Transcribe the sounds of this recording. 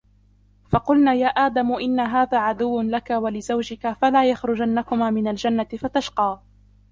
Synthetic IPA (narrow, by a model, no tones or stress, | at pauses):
fɑqʊlnaːjaːʔaːd̪amʊʔɪnːaɦaːðaːʕad̪ʊwːlakawalɪzawd͡ʒɪkafalaːjaxɾʊd͡ʒanːakʊmaːmɪnald͡ʒanːat̪ɪfat̪aʃqɑː